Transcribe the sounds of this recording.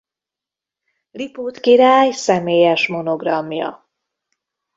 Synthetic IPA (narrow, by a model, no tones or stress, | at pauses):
lipuːt̪kiɾaːjsɛmeːjɛʃmo̞no̞ɡrɒmjɒ̰